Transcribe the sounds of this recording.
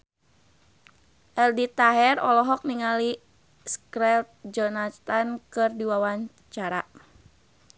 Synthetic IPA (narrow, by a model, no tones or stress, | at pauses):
ʔɛldit̪aɦɛrɔlɔɦɔk̚niŋali | skɾɛt̪̚d͡ʒɔnat̪ankɨrdiwawaɲ | t͡ʃaɾa